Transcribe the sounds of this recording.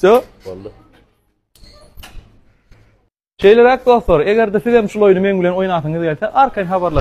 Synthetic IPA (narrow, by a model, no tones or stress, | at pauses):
o | ʃe̞jleɾæk̚d̪o̞ːθlˠoɾe̞ɣeɾd̪eθiðhemʃulˠojnɯme̞ŋbilʲe̞no̞jnɑːθɯŋɯðɡe̞lʲθeʔɑɾkʰɑjnxɑβɑɾlˠɑ